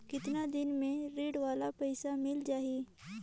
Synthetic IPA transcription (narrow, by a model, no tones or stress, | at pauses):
kɪt̪nad̪ɪnmẽɾeːɖʋaːlapɛɪsamɪld͡ʒaːɦiː